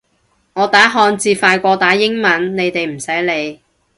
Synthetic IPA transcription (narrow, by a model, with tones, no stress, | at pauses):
ŋɔː˨˧t̪aː˨˥ɦɔː˧nt͡siː˧faː˧jkʷɔː˧t̪aː˨˥jɪ˥ŋmɐ˨˥nne˨˧jt̪e˨jm̩˨˩sɐ˨˥jle˨˧j